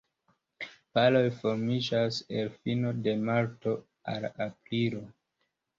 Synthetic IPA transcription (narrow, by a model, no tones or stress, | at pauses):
palo̞jfo̞ɾmid͡ʒase̞lfino̞de̞maɾto̞ | a̰lapɾiɾo̞